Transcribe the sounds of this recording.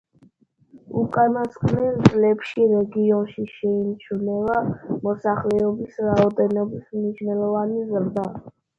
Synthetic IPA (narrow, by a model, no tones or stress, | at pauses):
ukʼanaskʼnɛld̪zʼlɛpʃiɾɛɡiɔnʃiʃɛimt͡ʃʰunɛvamɔsaχlɛɔbisɾaɔd̪ɛnɔbismniʃnɛlˠɔvanizɾd̪a